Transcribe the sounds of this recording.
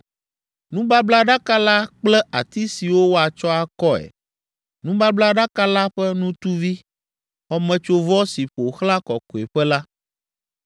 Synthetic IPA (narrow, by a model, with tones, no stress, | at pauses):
nũ˦ba˦bla˦ɖa˦ka˦la˦k͡plɛ˦a̰˨t̪i˦si˨wo˦wo˦a˨t͡ʃɔ˦a˨kɔ˦ɛ̰˨ | nũ˦ba˦bla˦ɖa˦ka˦la˦ɸɛ˦nũ˦t̪u˦vi˦ | xɔ˦mɛ̃˨t͡ʃo˦vɔ˦si˨ɸo˨xla˦kɔ˨ko˨ɛ˨ɸɛ˦la˦